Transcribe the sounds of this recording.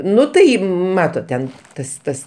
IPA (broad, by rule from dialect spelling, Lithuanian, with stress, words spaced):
ˈnʊ tɐɪ ˈmɑːtoːt tʲɛn ˈtɐs ˈtɐs